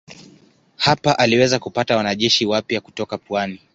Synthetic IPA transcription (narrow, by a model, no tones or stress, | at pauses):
hapaʔaliwɛzakupatawanaʄɛʃiwapjaku̥tɔkapwani